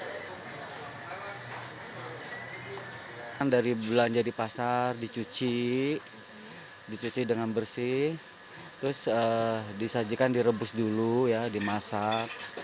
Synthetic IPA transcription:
andaɾibland͡ʒadipasardit͡ʃut͡ʃi | dit͡ʃut͡ʃidəŋanbərsi | t̪ɾʊsədisad͡ʒikandiɾəbʊsdulujadimasak̚

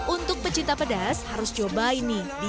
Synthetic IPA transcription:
unt̪ʊk̚pət͡ʃit̪apədashaɾʊst͡ʃobainidi

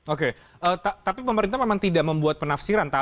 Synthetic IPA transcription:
oke | ʔəːt̪at̪apipəməɾint̪amemaŋt̪idaʔməmbuat̪̚pənafsiɾant̪a

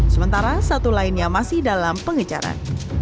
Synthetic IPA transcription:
səmənt̪aɾasat̪ulainɲamasɪhdalampəŋət͡ʃa̰ɾa̰n

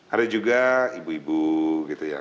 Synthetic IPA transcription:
adad͡ʒuɡaibuibukit̪uja̰

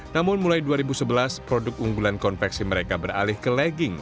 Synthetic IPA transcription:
namʊnmulajduaɾibusəbəlaspɾodʊk̚uŋɡulankɔnfɛksiməɾekabəra̰lɪhkəlɛɡɪŋ

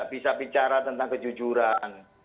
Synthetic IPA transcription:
aʔbisaʔbit͡ʃaɾat̪ənt̪aŋkəd͡ʒud͡ʒuɾan

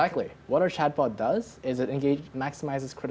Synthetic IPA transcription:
æk̚tˡli | wʌɾə˞ʃʰæd̚bɑt̚dʌzɪzɨɾɨ̃nɡeɪd͡ʒmæksəmaɪzɨz̥kʰɹ̥ɪɾ

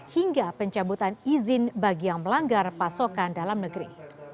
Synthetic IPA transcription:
hiŋɡapəɲt͡ʃabut̪anizɪnbaɡiaŋməlaŋɡarpasokandalamnəɡɾḭ

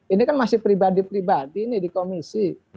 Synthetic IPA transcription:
inikanmasɪhpɾibadipɾibadinɪhdikomisi

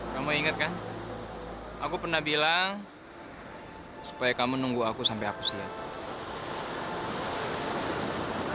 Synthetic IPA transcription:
kamuiŋət̪̚kan | ʔakupərnahbilaŋ | su̥pajakamunuŋɡuakusampɛjakusia̰t̚

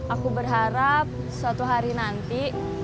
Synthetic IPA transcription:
ʔakubərɦaɾap̚ | sat̪uɦaɾinant̪i

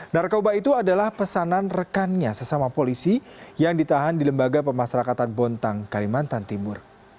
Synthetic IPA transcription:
narkobait̪uadalahpəsananrəkanɲasəsamapolisijaŋdit̪aɦandiləmbaɡap̬əmasaɾakat̪anbɔnt̪aŋkalimant̪ant̪imʊr

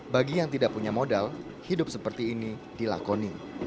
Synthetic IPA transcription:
baɡijaŋt̪idaʔpuɲamodal | hidʊp̚səpərt̪iːni | d̥ila̰koni

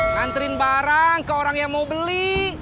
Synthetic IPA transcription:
ant̪əɾɪnbaɾaŋkəoɾaŋjaŋmawbəli

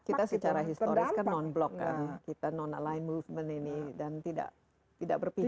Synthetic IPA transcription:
kit̪asət͡ʃaɾaɦist̪oɾɪskanːɔnblɔkkːa̰nkit̪anɔnalaɪnmufvməninidant̪ida̰ʔ | t̪ida̰ʔbərpi

